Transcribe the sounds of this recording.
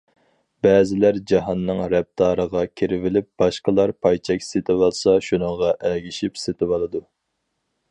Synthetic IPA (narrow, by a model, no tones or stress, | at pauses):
bɛːzɪlæɾd͡ʒɑɦɑnːɨŋɾɛp̚t̪ʰɑːɾəʁɑkʲʰiɾɪvɪlɪp̚b̥ɑʃqəlˠɑɾpʰɑjt͡ʃʰɛkʲset̪ʰɪbɑlˠsɑʃunəŋʁɑʔæɡʲiʃipset̪ʰɪbɑlˠɨd̪u